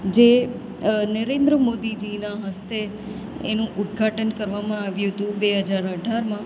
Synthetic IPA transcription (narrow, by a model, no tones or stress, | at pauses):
d͡ʒe | nəɾẽnd̪ɾəmod̪id͡ʒinaɦəst̪e | ḛnũʔut̪̚ɡʱaʈənkəɾʋamãaʋjũɦət̪ũbeɦəd͡ʒaɾəɖʱaɾmã